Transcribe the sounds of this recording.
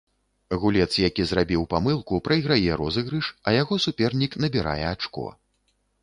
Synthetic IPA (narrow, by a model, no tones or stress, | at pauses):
ɣulʲɛt̪sjakʲizrabʲiwpamɨlˠkupɾɐjɣɾajɛɾɔzɨɣɾɨʂɐjaɣɔsupʲɛrnʲikn̪ɐbʲiɾa̰jɛat͡ʂkɔ̰